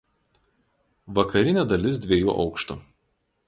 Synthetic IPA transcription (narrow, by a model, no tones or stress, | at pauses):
ʋɐkɐɾʲɪnʲeːd̪ɐlʲɪs̬d̪ʲʋʲeːjṵːʔɒ̰ʊkʃt̪ṵ